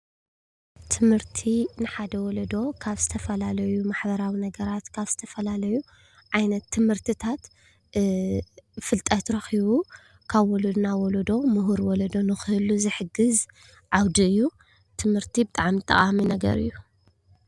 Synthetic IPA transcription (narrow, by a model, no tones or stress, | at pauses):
t̪ʰɨmhɨɾt̪ʰinɨħad̪ɐwɔlɐd̪o̞kʰaβz̥ɨt̪ʰɐfɐlalɐjumaħbɐɾawinɐɡɐɾat̪kʰaβzɨt̪ʰɐfɐlalɐju | ʕajnɐt̪ʰːɨmhɨɾt̪ʰɨt̪ʰat̪ | fɨlt̪ʼɐt̪ɾɐxiβu | kʰaβwɔlod̪nawɔlɐd̪o̞mɨɦuɾwɔlɐd̪o̞nɨxɨhɨluzɨħɨɡɨz | ʕawd̪iɨjːu | t̪ʰɨmhɨɾt̪ʰibɨt̪ʼaʕmit̪ʼɐ̰χʼaminɐɡɐ̰ɾɨ̰jːu